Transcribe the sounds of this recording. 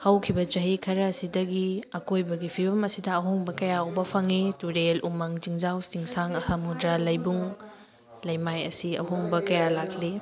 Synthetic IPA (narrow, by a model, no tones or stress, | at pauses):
hɐwkʰibɐt͡ʃɐɦikʰɐɾɐːsidɐɡiɐkojbɐɡipʰibɐmɐsidɐɐɦoŋbɐkɐjaowbɐpʰɐŋituɾelumɐŋziŋzawsiŋsaŋɐhɐmhudɾalɐjbuŋ | lɐjmajɐ̰siɐ̰hoŋbɐkɐjalakʰli